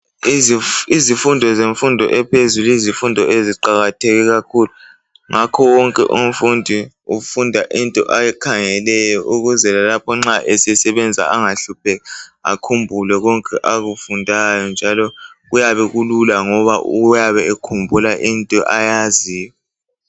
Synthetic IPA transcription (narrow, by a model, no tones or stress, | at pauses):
iizifundʱɔzeɱfundʱɔʔɛpʰezuluizifundʱɔʔeziǃaɣatʰɛɣɛɣakʰulu | ŋʔakʰɔwɔŋkʼɛ̰ʔum̩fundʱi | ufundʱaʔintʼɔʔajɛkʰaŋɛlɛjɔʔuɣuzɛlalapʰɔŋ͡ǁaʔɛsɛsɛβɛnd͡zʱa̰ʔaŋaɬup̚ʰɛɣaa̰kʰumbʱulɛɣɔŋkʼɛʔaɣufundʱajɔnd͡ʒʱalɔɣujaβɛɣululaŋɔβaʔujaβɛekʰumbʱulaʔintʼɔʔajazijɔ